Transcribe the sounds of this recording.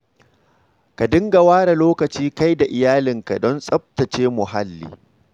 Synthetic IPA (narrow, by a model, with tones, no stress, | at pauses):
ka˨dɪ˦ŋɡa˨waː˦ɽa˨loː˦kɐ˨t͡ʃiː˦ka˦jda˨ʔɪ˨jaː˦lɪ˨ŋka˨dɔ˦nsʼɐ˦b̚tɐ˨t͡ʃeː˦mʊ˨ɦa˦lːḭː˨